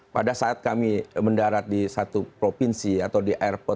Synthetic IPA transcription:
padasaat̪̚kamiməndaɾat̪̚disat̪upɾofinsiat̪awdiʔaɛrpɔt̪

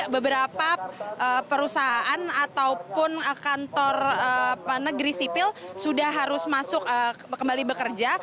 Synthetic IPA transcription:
ʔbəbəɾapaʔəpəɾusaɦaʔanat̪awpʊnəkant̪ɔrəənəɡɾisipɪlsudahɦaɾʊsmasʊk̚ə | kəmbalibəkərd͡ʒa

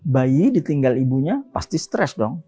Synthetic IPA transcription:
bajidit̪iŋɡalibuɲapa̰st̪ist̪ɾɛsdɔŋ

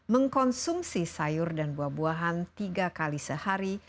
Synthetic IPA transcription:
məŋkɔnsumsisajʊrdanbuahbuaɦant̪iɡakalisəhaɾi

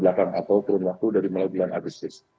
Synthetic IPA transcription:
bəlakaŋʔa̰t̪awkuɾʊnwak̚t̪udaɾiməlaɡilana̰ɡəst̪ɪs

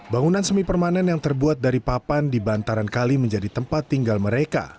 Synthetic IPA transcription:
baŋunansəmipərmanɛnjaŋt̪ərbuat̪̚daɾipapandibant̪aɾankaliməɲd͡ʒadit̪əmpat̪ːiŋɡalməɾeka̰

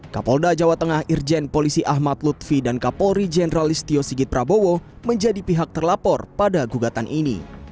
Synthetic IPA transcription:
ka̰pɔldad͡ʒawat̪əŋahird͡ʒɛnpolisiʔaɦmat̪̚lut̪fidankapɔlɾid͡ʒenəɾalist̪iosiɡɪt̪̚pɾabowo | məɲd͡ʒadipiɦak̚t̪ərlapɔrpadaɡuɡat̪anʔinḭ

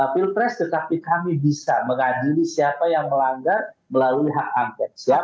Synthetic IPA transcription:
apilpɾɛst̪ət̪apikamibisaməŋadilisiapajaŋməlaŋɡarməlaluiɦakaŋkɛt̪̚sia

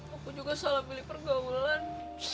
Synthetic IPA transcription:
akud͡ʒuɡasalabilipərɡaulan

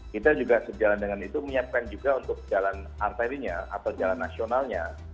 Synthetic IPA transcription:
kit̪ad͡ʒuɡasəd͡ʒalandəŋanit̪uməɲap̚kand͡ʒuɡaunt̪ʊk̚d͡ʒalan | art̪aɾiɲaa̰t̪awd͡ʒalanːasionalɲa

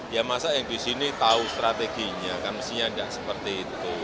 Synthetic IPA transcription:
jamasajaŋdisinit̪aust̪ɾat̪eɡ̥iɲakarməsiɲaɳdaʔsəpərt̪iːt̪u

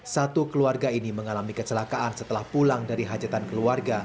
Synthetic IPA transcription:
sat̪ukəluarɡainiməŋalamikət͡ʃəlakaʔansət̪əlahpulaŋdaɾiɦad͡ʒat̪ankəluarɡa

